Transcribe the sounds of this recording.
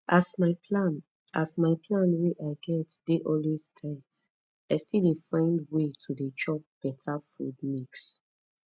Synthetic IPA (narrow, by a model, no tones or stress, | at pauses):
ʔasmaɪpʰlan | a̰smaɪpʰlãnweʔaɪɡɛtd̥eʔɔlwestʰat | aɪstilefɹãɪ̃ndwetʰudet͡ʃɔp̚b̥ɛtʰafud̚miks